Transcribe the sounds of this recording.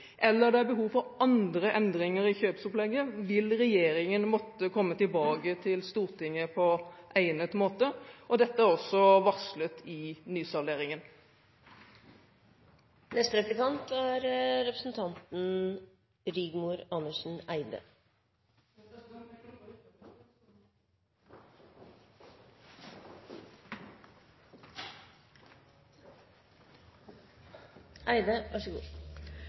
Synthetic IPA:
ʔɛlːəʁd̪ɛæbəɦuːʋfɔɾɑnd̪ɾəʔɛnd̪ɾɪŋəɾɪçøːpsʊplɛɡːəʋɪlʁɛjeːɾɪŋənmɔt̪ːəkʰɔmːət̪ɪlbɑːɡət̪ʰɪlst̪uːʁt̪ʰɪŋːəpʰɔʔæɪnət̪moːt̪əʔɔd̪ɛt̪ːəæɾɔsːɔʋɑslət̪ʰɪnyːsɑleːɾɪŋən | nɛst̪əɾɛplɪkɑnt̪æɾɾɛpɾəsn̩t̪ʰɑnt̪n̩ | ɾiːɡmuːɾɑnəʂn̩æɪd̪ə̰ | ʔæɪd̪əʋɑʂəɡṵː

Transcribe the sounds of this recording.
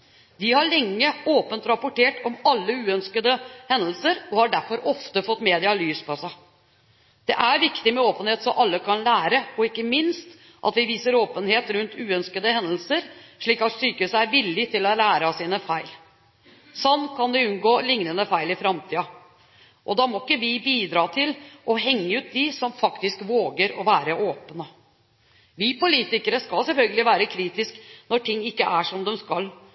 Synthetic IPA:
ʋɪhɑɭɛŋːəoːpənt̪ɾɑpʊʈeːʈɔmɑlːəʉːœnskəd̪əhɛnəlsəɾɔhɑɖæɾfɔɾʔɔft̪əfɔt̪ːmeːd̪ɪɑlyːspʰɔsæɪ | d̪̥ɛʔæɾʋɪkt̪ɪmɛoːpənheːt̪sɔmʔɑlːəkʰɑnlæːɾəɔɪkːəmɪnst̪ | ʔɑ̰t̪ʋɪʋiːsəɾoːpənheːt̪ɾʉnt̪ʉːœnskəd̪əhɛnəlsəɾʂɭiːkɑt̪syːkəʉːsəæɾʋɪlːɪt̪ʰɪlɔlæːɾəsiːnəfæɪl | sɑnːkʰɑnd̪ɛʉnɡoːlɪŋnənəfæɪlɪfɾɑmt̪ʰiːɑ | ʔɔd̪ɑːmɔɪkːəʋɪbiːd̪ɾɑːt̪ʰɪlɔɦɛŋːəʉːt̪̚d̪ɪsɔmfɑkt̪ɪskʋoːɡəɾɔʋæːɾəʔoːpənə | ʋɪːpʊliːt̪ɪkəɾəskɑlsɛlfœlɡəlɪʋæːɾəkʰɾiːt̪ɪsknɔʈʰɪŋːɪkːəʔæʂɔmd̪ɛmskɑl

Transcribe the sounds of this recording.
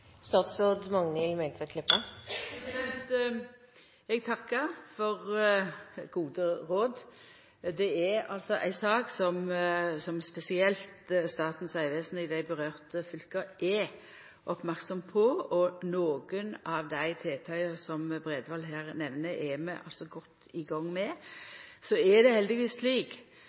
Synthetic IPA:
st̪ɑt̪sʋoːd̪mɑŋnɪlmɛlt̪fɛkʰlɪpːə | ɛnt̪ | ɛɡ̚t̪ʰɑkːəɾfɔʁ | ɡuːd̪əʁoːd̪ | d̪ɛæɾɑ̰lsɔʔæ̰ɪsɑːksɔmsɔmspɛsɪɛlt̪st̪ɑːt̪n̩sæɪʋɛːsnəɪd̪æɪbəʁøːʁt̪əfʏlkɑʔɛ | ʔɔpmæʁksɔmpʰɔɔnoːɡənɑʋd̪æɪt̪ʰeːt̪ʰɑʏəsɔmbʁɛːd̪ʋɑlɦæːʁnɛʋnəʔɛmɛʔɑ̰lsɔɡɔt̪ː | ɪɡɑŋːmɛ | sɔɛd̪ɛhɛld̪ɪʋiːsːliːk

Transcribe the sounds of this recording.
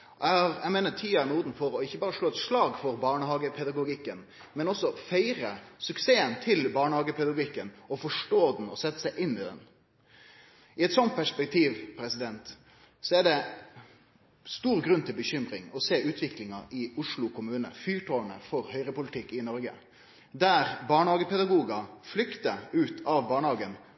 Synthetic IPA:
ɛhɑɾɛmɛɪnəʈ̪ʰiːænuːd̪n̩fɔɾɔɪçːəbɑːɾəʂɭoːɛt̪ʂɭɑːɡfɔɾbɑːɳəhɑːɡəpʰɛd̪ɑɡʊɡɪkːən | mɛnɔsːɔfæɪɾəsʉkseːənt̪ʰɪlbɑːɳəhɑːɡəpʰɛd̪ɑɡɪkːənɔfɔʂʈoːd̪n̩ɔsɛt̪ːə̥sæɪʔɪnːɪd̪ɛ̰n | ɪɛt̪sɔnt̪̚pʰæʂpɛk̚t̪ʰiːʋpʰɾɛsɪd̪ɛnt̪ | sɔɛɖɛ | st̪uːɾɡɾʉnːt̪ʰɪlbəçʏmɾɪŋɔseːʉːt̪ʰʋɪklɪŋɑɪʊʂɭʊkʰʊmʉːnə̰fyːʈʰoːənə̰fɔɾhœʏɾəpʊlɪt̪ʰɪkːɪnɔɾɡə̰ | d̪æɾbɑːɳəhɑːɡəpɛd̪ɑɡuːɡɑflʏkt̪əʉːt̪ʰɑʋbɑːɳəhɑːɡən

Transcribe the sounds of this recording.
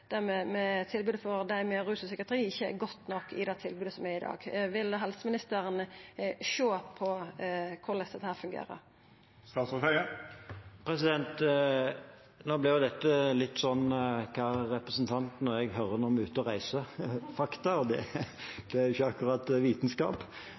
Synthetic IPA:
d̪̥æʁmɛmɛt̪ʰɪlbʉːd̪əfɔɾd̪æɪmɛɾʉːsəsɛkɾət̪ʰəɾiːɪçːəɡɔt̪ːnɔkːɪ̰d̪ɛt̪ʰɪlbʉːd̪əsɔmæɪd̪ɑ̰ːɡʋɪlːɦɛlsəmɪnɪst̪əɾənʃoːpʰɔkʰʊʁlɛstd̪ɛt̪ːəhæːɾfʉŋɡḛːɾə̰ɾ | st̪ɑːt̪sɔt̪æɪə | pʰɾɛsɪd̪ɛnt̪ | noːblɪʁjʊd̪ɛt̪ːəlɪt̪ːsɔnːkʰɑːʁɛpɾəsnt̪ʰɑnt̪nɔɾjɛɡɦœɾənɔmʉːt̪əɔʁæɪsəfɑkt̪ɑd̪ɛd̪̥ɛæɾɪçːəɑkʊɾɑt̪ʋiːt̪nskɑ̰ːp

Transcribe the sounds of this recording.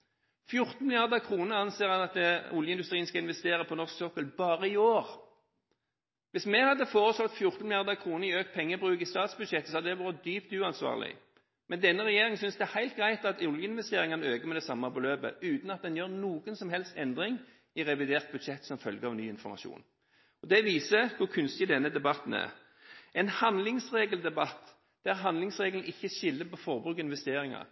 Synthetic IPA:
fjʊʁt̪n̩mɪljɑʁd̪əkʰʁuːnəʁɑnseːʁɑnɑt̪ʊljəɪnd̪ʉst̪ʁiːnskɑɪnʋɛst̪eːɾəpʰɔnɔʁsksokɔlbɑːʁəɪoːʁ | ʋɪsmɛhɑd̪ːəfoːʁəslɔt̪fjʊʁt̪n̩mɪljɑʁd̪əkʰʁuːnəɾɪøːkt̪̚pʰɛŋːəbʁʉːkɪst̪ɑːt̪sbʉd̪ʃɛt̪ːəsɔhɑd̪d̪ɛʋuːɾəd̪yːpt̪ʉːɑnsʋɑ̰ːʁlɪ̰ | mɛnd̪ɛnːəʁɛjeːʁɪŋsʏnsd̪ɛæhæɪlt̪̚ɡʁæɪt̪ɑt̪ɔljəɪnʋɛst̪eːʁɪŋɑnəøːɡəmɛd̪ɛsɑmːɑbɔløːbə̰ʉːt̪n̩ɑt̪̚d̪ɛnjøːʁnuːɡənsɔmɦɛlst̪ɛnd̪ɾɪŋ | ɪʁɛʋɪd̪eːʁt̪̚bʉd̪ʃɛt̪ːsɔmfœlɡəɑʋnyːɪnfɔ̰mɑ̰ʃṵːn | ɔd̪ɛʋiːsəkʰʊʁkʰʉnst̪ɪd̪ɛnːəd̪ɛbɑt̪n̩æ̰ʁ | ɛnhɑnlɪŋsʁeːɡəld̪ɛbɑt̪ː | d̪̥æʁɦɑnd̪lɪŋsʁeːɡəln̩ɪçːəʃɪlːəpɔfɔʁbʁʉːkɪnʋɛst̪eːɾɪŋɑ̰ʁ

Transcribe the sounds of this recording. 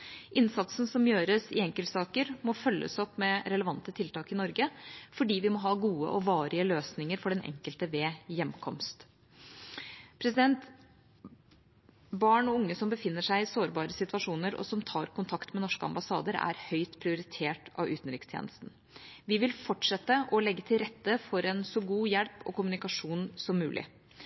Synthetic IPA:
ʔɪnsɑt̪sn̩sɔmjøːɾəsɪɛŋkəlt̪sɑːkəɾmɔfœlːə̰sɔpːmɛɾɛləʋɑnt̪ət̪ʰɪlt̪ɑːkɪnɔɾɡəfɔɖiːʋɪmɔɦɑːɡuːə̰ʔɔʋɑːɾɪəløːsnɪŋəɾfɔɖɛnʔɛ̰ŋkəlt̪əʋeːjɛmːkʰɔmst̪ | pʰɾɛsɪd̪ɛnt̪ | bɑːɳɔʊŋːəsɔmbəfɪnːəʂæɪɪsoːɾbɑːɾəsɪt̪ʋɑʂuːnəɾɔ̰sɔmt̪ʰɑːɾkʰʊnt̪ʰɑkt̪mɛnɔʂkəɑ̰mbɑsɑ̰ːd̪əɾæ̰ɾhœʏt̪pʰɾɪʊɾɪt̪ʰeːʈɑ̰ʋʉ̰ːt̪n̩ɾɪkst̪ʰjḛːnəst̪n̩ | ʋɪʋɪlfɔʈʂɛt̪ːəʔɔlɛɡːət̪ʰɪlɾɛt̪ːəfɔɾɛnsɔɡuːjɛlpɔ̰kʊmʉnɪkɑʂuːnsɔmːʉːlʔɪ̰

